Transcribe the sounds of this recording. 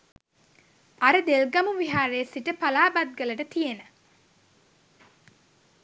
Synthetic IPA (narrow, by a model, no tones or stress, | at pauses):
ɐɾəd̪elɡɐmuʋiɦaːɾeːsiʈəpalaːbad̪̚ɡələʈət̪ijenə